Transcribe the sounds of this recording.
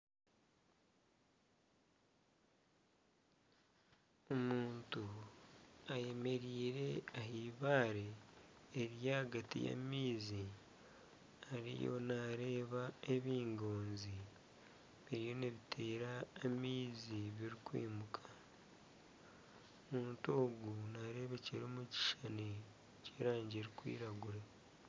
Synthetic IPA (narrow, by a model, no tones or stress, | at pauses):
omuːntu | aje̞me̞ɾiːɾe̞aɦiβaːɾe̞ː | ɾjahaɡatḭja̰miːzi | aɾḭjo̞̰naɾe̞ːβae̞βiːŋɡoːnzi | βiɾijo̞neβitʰe̞ːɾaːmiːziβiɾikwḭːmukʰḁ | muːntoːɡunaɾe̞ːβeceɾoːmuci̥ʃane | ceːɾaːɲɟeɾikwḭːɾaɡuɾe